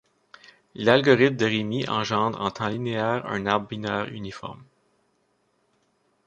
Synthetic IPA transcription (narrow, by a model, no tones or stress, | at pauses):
lalɡɔʁɪt̪̚md̪əʁemiʔɑ̃ʒɑ̃ːd̪ʁɑ̰̃t̪ʰɑ̃lineɛːʁœ̰̃ːnaʁbːinœːʁy̰nifɔ̰ʁm